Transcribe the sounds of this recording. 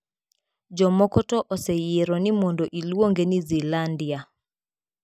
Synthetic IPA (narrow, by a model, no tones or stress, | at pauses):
d͡ʒɔmɔkɔtɔʔɔsɛjeɾɔnimɔndɔʔilwoŋɡenizilandia